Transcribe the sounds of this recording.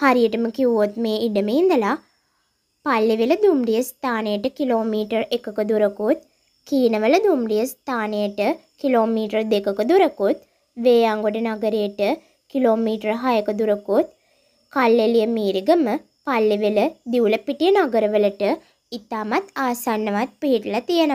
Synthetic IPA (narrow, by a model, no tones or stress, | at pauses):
haɾijəʈəməkiʋuot̪meːiɖəmeind̪əla | palːiʋeləd̪umrijəst̪ʰaːnejəʈəkiloːmiːʈəɾekəkəd̪uɾəkot̪̚ | kiːnəʋələd̪umrijəst̪ʰaːnejəʈəkiloːmiːʈərd̪ekəkəd̪uɾəkot̪ | ʋeːaŋɡoɖənaɡəɾejəʈə | kiloːmiːʈərɦajəkəd̪uɾəkot̪̚ | kalːelijəmiːɾiɡəmə | palːiʋeləd̪iuləpiʈijənaɡəɾəʋələʈə | it̪aːmat̪aːsanːəʋat̪̚piɦiʈəlat̪ijənə